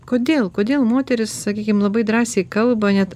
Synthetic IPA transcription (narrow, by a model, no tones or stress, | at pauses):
koːd̪ʲeːlˠkoːd̪ʲeːlˠmoːt̪ʲɛɾʲɪssɐkʲiːkʲɪmlˠɐbɐɪd̪ɾɑːsʲɛɪkɐlˠbɐnʲɛt̪